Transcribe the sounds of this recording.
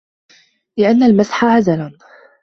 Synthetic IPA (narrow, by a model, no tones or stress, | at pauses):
lɪʔanːalmasħaʕazalan